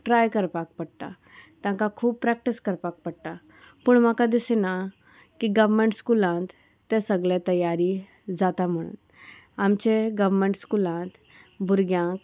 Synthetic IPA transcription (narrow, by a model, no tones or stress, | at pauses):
ʈɾajkəɾpak̚pəɽt̪a̰ | t̪jãkakʰuːb̚pɾɛk̚ʈiskəɾpak̚pəɽʈ̪a | puɳmakad̪isena | kiɡəʋmẽɳʈskulãnt̪ː | ẽsəɡɭet̪əjːaɾi | d͡zat̪am̤əɽ̃ṵːn | amt͡ɕeɡəʋmẽɳʈskulãnt̪ | bʱuɾɡjãk